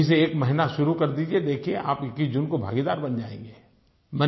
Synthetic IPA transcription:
is̬eeːkmɛɦɪnaʃʊɾukɐɾd̪iːd͡ʒied̪eːkʰieʔa̰ːpkid͡ʒʊnkobʱa̰ːɡid̪aːɾbɐnd͡ʒaːḛ̃ːŋɡeː | mɛ

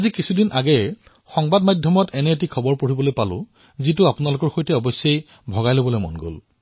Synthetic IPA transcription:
azikisʰudinʔaɡɛ | xɔŋbadmajdʱjɔmɔtɛnɛet̬ikʰɔbɔɹpoɹibɔlojpalʊ̰ | zitʊapʊnalʊkɔɹxojtɛɔbɔsjej | bʱɔɡajlobɔlojmɔ̰nɡo̰l

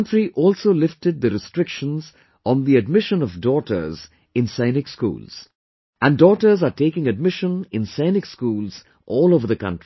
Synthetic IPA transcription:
ntɹiʔɔːlˠsoːlɪftɨd̪̚d̪əɾɨstɹɪkʃə̃nz | ɔ̃n̩ðiɨd̚mɪʃə̃nɔvdɔʈə̰˞z | ɪ̃nsãɪnɪkskṵːlz̥ | ʔæ̃ndɔːʈə˞zaʈeːkɪ̃ŋɨd̚mɪʃə̃nɪ̃nsãɪnɪkskuːlˠz | ʔɔːlˠoʊvəɾðəɨkʌ̰̃ntɹi

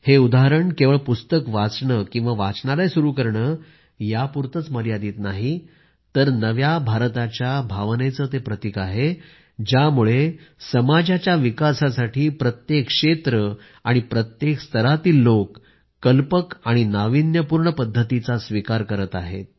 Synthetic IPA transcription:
heud̪aɦɾəɳkeʋəɭpust̪əkʋat͡sɳəkĩw̃ʋaʋat͡sɳalajsuɾuːkəɾɳəː | japuɾt̪ət͡sməɾjad̪iːt̪naɦi | t̪əɾnəʋjabʱaɾt̪at͡ɕjabʱaʋnet͡səːt̪epɾət̪ikaɦe | d͡ʑjamuɭesəmad͡ʑat͡ɕjaʋikasasaʈʰiːpɾət̪jekʂet̪ɾə | aɽ̃ipɾət̪jekst̪ʰəɾat̪iːlːokː | əlpəkaɽ̃inaʋinjəpuɾɳəpəd̪ʱːət̪it͡sasʋikaɾkəɾət̪aɦḛt̪̚

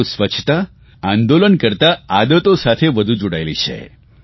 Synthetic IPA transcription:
usʋət͡ʃʰt̪a | ãnd̪olənkəɾt̪aad̪ət̪osat̪ʰeʋəd̪ʱud͡ʒoɽajlit͡ʃʰḛ

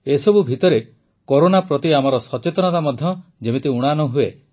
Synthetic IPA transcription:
esɔbʱubʱit̪ɔɾe | koɾonapɾɔt̪iamaɾɔsɔt͡ʃet̪ɔnɔt̪amɔd̪ʱjɔd͡ʒemet̪iuɽ̃anɔɦue

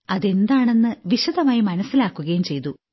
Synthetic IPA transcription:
ɐðe̞nd̪aːɳe̞nːɨʋiɕɐðɐmaːjimɐnɐsːilaːkːuɣɐjumt͡ɕe̞jt̪u

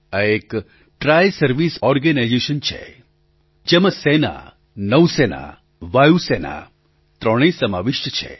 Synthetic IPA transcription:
əek | ʈɾajsəɾʋisɔɾɡənajd͡ʒeʃənt͡ʃʰḛ | d͡ʒeməsena̰ | nəwsena̰ | ʋajusena̰ | t̪ɾəɽ̃ĩsəmaʋiʃjət͡ʃʰḛ

